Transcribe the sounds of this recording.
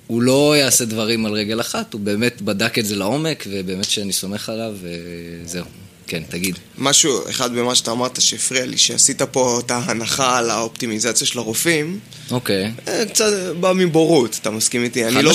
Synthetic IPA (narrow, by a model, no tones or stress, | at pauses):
ulo̞jaːse̞dvaʁimalʁeɡe̞laχat̪ube̞ːme̞tbadaketze̞lao̞me̞kve̞be̞ːmetʃeaniso̞me̞χalavezeu | kent̪aɡid̪ | maʃuḛχad̪bemaʃat̪aːmaʁt̪aʃeːfʁialḭʃeasitapo̞etaɦanaχalaopt̪imizat͡sjaʃelaʁofim | o̞ke̞jekt͡satbamiboʁut̪ḁt̪amaskimit̪ianilo